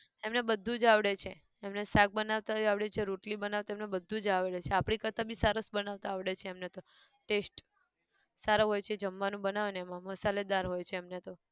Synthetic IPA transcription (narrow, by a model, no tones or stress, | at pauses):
emnebəd̪ʱːũd͡ʒaʋɽet͡ʃʰeː | mnesak̚bənaʋt̪aiaʋɽet͡ʃʰeɾuʈlibənaʋt̪oemnebəd̪ʱːũd͡ʒaʋɭet͡ʃʰeapɽ̃ikəɾt̪abisəɾəsbənaʋt̪aːʋɽet͡ʃʰeːmnet̪o | ʈesʈ | saɾoɦojt͡ʃʰed͡ʒəmːanũbənaʋneemãmosaled̪aɾɦojt͡ʃʰeːmnet̪o